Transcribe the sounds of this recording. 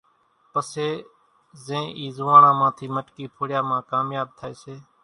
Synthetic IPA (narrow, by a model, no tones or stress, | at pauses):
pəseː | zẽːʔiːzʊʋãːɳãːmãːt̪ʰiːməʈkiːpʰoːɽɪjaːmãːkaːmjaːb̚t̪ʰaːeːseː